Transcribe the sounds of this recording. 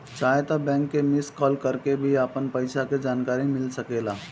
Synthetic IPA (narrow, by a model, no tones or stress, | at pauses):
t͡ʃaːɦet̪ɔbɛ̃ːŋkːemɪskɔːlkəɾkebʱiaːpənpəɪsaked͡ʒaːnkaːɾimɪlsəkeːla